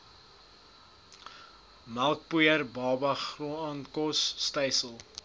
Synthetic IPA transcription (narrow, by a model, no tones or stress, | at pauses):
mɐlˠk̚pujəɾbɑːbɐχruɑːnkɔsːtɛjsəlˠ